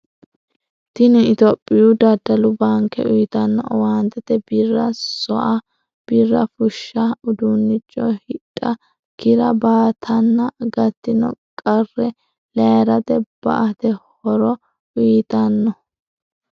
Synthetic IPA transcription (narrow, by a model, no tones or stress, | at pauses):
t̪ɪnɪɪt̪ɔpʼːɪjud̪ɐd̪ɐlʊbaŋkːɛ̰ʔʊjt̪ɐnːɔ̰waːnt̪ːɛt̪ɛbɪrːɐsɔʔɐ | b̥ɪrːɐfʊʃːɐʊd̪unːɪt͡ʃʼːɔ̰hɪᶑʼːɐ | kɪɾɐbaːt̪ʰɐnːɐɡɐt̪ːɪnɔ̰kʼɐrːɛ | lɛɾɐt̪ɛb̥ɐ̰ʔɐt̪ɛhɔɾɔ | ʊjt̪ɐnːɔ